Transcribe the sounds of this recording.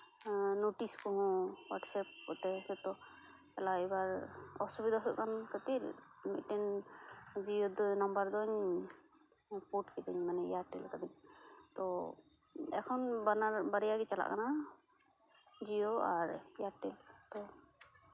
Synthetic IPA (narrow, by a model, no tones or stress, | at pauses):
noʈiskɔɦɔ̃waʈsɛp̚ːɔt̪ɛsɛt̪ɔ | ɛlaibaɾɔsubid̪ʱaɦɔjʔkʰankət̪iɾ | mḭt̪̚ʈɛn | d͡ʒiod̪ɔnɔmbaɾd̪ɔɲ | poʈkid̪iɲmanɛḭjaɾʈɛlkad̪iɲt̪ɔ | ɛ̰kʰɔnbanaɾbaɾɛjaɡɛt͡ʃala̰ʔkana | d͡ʒijoaɾijaɾʈɛlt̪ɔ